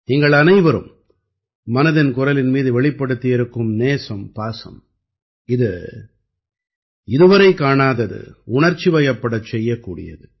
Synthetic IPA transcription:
niŋɡɐɭɐnɐɪʋɐɾɯ̰mː | ɐnɐðɪnkʊɾɐlɪnmiːðɯʋɛɭɪpːɐɽɯt̪ːɪjɪɾɯkːɯmneːsɐmpaːsɐ̰m | ɪðɯ | ɪðɯʋɐɾɐɪkːaːɳaːðɐðɯ̰ʊɳɐɾt͡ʃːiʋɐjɐpːɐɽɐt͡ʃːɛjːɐkːuːɽɪ̰jɐ̰ðɯ

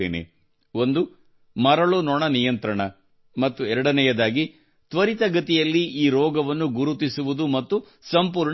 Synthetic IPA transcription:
ḛːnḛ | o̞nd̪u | mɐɾɐɭunɔɳɐnijɐnt̪ɾɐɳɐ | mɐt̪ːuɛɾɐɽɐnɛjɐd̪aːɡi | t̪ʋɐɾit̪ɐɡɐt̪ijɐlːiiːɾɔːɡɐʋɐnːuɡuɾut̪isuʋud̪umɐt̪ːu | sɐmpuːɾɳ

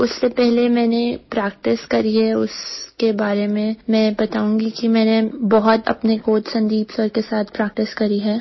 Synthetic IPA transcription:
ʊsːepɛɦlemɛ̃ːnepɾɛːk̚ʈɪskɐɾiɦɛʊ̰skebaːɾemẽmɛ̃ːbɐt̪aːũːŋɡikimɛ̃ːnebɐɦʊt̪ɐ̰pnekoːt̪sɐ̃nd̪iːbsəɾkesaːt̪ʰpɾɛːk̚ʈɪskɐɾiɦɛː

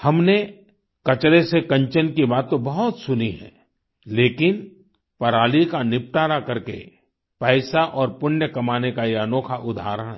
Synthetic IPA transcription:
hɐmne | kɐt͡ʃɾesekɐ̃ɲt͡ʃənkibaːt̪ːõbɐɦʊt̪sʊniɦɛ̰̃ː | leːkɪn | pɐɾaːlikanɪp̚ʈaːɾakɐɾkḛ | pɛːsaʔɔːɾpʊnjəkɐmaːnekaeənoːkʰaʔʊd̪ʱa̰ːɾəɽ̃ɦɛ

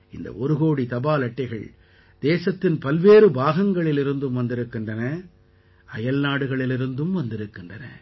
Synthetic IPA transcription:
ɪnd̪ɐ̰ʔɔɾɯɣoːɽit̪ɐbaːlɐʈːɐɪɣɐɭ | d̪̥eːsɐt̪ːɪnpɐlʋeːɾɯbaːɣɐŋɡɐɭɪlɪɾɯnd̪ɯmʋɐnd̪ɪɾɯkːɪndrɐnɐ | ɐjɐlnaːɽɯɣɐɭɪlɪɾɯnd̪ɯmʋɐnd̪ɪɾɯkːɪndrɐnɐ̰

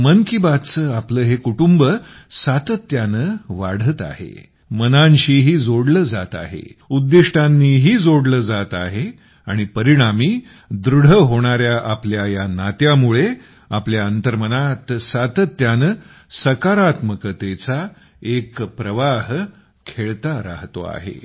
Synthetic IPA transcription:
mənkibat͡səapləːɦekuʈumbə | sat̪ət̪ːjanəʋa̰ɽ̤ət̪a̰hḛ | mənãɲɕiːɦiːd͡zoɽləːd͡za̰t̪a̰ɦḛud̪ːiʂʈʰanːiːɦiːd͡zoɽləːd͡zat̪a̰ɦe | a̰ɽ̃ipəɾiɽ̃amiː | d̪ɾuɽ̤əɦoɽ̃aɾjaʔapljajanat̪jamuɭe | apljaənt̪əɾmənat̪sat̪ət̪ːjanə | səkaɾat̪məkət̪et͡sa | ekpɾəʋaɦ | kʰeɭt̪aɾa̰ɦt̪o̰a̰ɦḛ

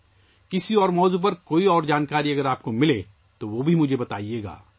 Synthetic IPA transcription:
kɪsiɔːɾmɔːzup̬ɐɾkoːiɔːɾd͡ʒaːnkaːɾiɐɡəɾaːp̚komɪle | t̪oʋoːbʱimʊd͡ʒʱebɐt̪a̰ːieːɡa̰ː

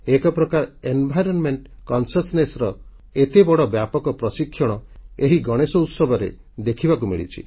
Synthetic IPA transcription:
ekɔpɾɔkaɾenbʱajɾɔnmeɳʈkɔnsɔsnesɾɔ | et̪ebɔɽɔbjapɔkɔpɾɔsikʰːjɔɽ̃ɔeɦiɡɔɽ̃esɔut̪sɔbʱɔɾe | d̪ekʰibakumḭɭḭt͡ʃʰḭ

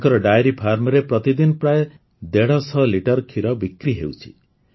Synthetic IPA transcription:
kɔɾɔɖajɾipʰaɾmɔɾepɾɔt̪id̪inpɾae | d̪eɽɔsʰɔliʈɔɾkʰiɾɔbikɾiɦḛwt͡ʃʰḭ

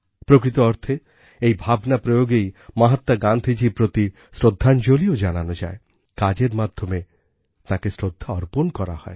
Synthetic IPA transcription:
pɾokɾit̪oɔɾt̪ʰe | ejbʱabnapɾojoɡejmaɦat̪ːaɡand̪ʱid͡ʑipɾot̪i | sɾod̪ʱːand͡ʒoliod͡ʒananod͡ʒa̰e | kad͡ʑeɾmad̪ʱːome | t̪ãkesɾod̪ʱːaɔɾponkɔɾa̰hɔ̰e

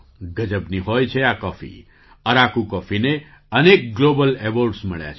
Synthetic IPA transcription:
ɡəd͡ʒəbniɦojt͡ʃʰeakɔfʰḭ | əɾakukɔfʰine | ənek̚ɡlobəleboɾɖsməɭja̰t͡ʃʰ

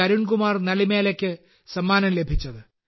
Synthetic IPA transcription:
ɐɾuɳkumaːrnɐlimeːlɐkʲːɨ | sɐmːaːnɐmle̞bʱit͡ɕːɐðɨ

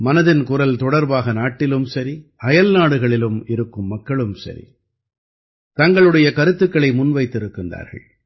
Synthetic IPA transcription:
mɐnɐðɪnkʊɾɐlt̪ɔɽɐɾbaːɣɐnaːʈːɪlɯmsɐɾiʔɐjɐlnaːɽɯɣɐɭɪlɯmɪɾɯkːɯmːɐkːɐɭɯmsɐ̰ɾḭ | t̪ɐŋɡɐɭɯɽɐjɐkɐɾɯt̪ːɯkːɐɭɐɪmʊnʋɐɪt̪ːɪɾɯkːɪnda̰ːɾɣɐ̰ɭ

